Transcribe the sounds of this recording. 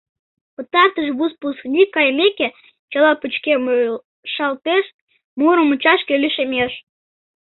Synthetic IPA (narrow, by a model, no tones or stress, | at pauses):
pə̆t̪ɑrt̪əʒβuspusknʲikɑjmʲekʲe | t͡ɕɑlɑput͡ɕkem | ʃɑlt̪eʃ | muɾəmut͡ɕɑʃkʲølʲiʃemʲeʃ